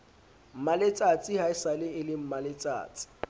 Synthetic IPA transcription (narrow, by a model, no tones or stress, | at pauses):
m̩malet͡sʼat͡sʼɪɦaɪsalɪɪlɪm̩malet͡sʼa̰ːt͡sʼɪ̥